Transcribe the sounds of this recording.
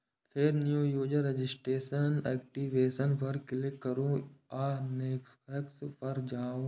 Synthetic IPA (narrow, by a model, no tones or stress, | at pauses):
fʰeɾnjuːjuːd͡ʒəɾed͡ʒɪsʈeːsənɛːk̚ʈiʋeːsənpɐɾkɪlekːɐɾõaːneːkskɛkspɐɾd͡ʒaːõ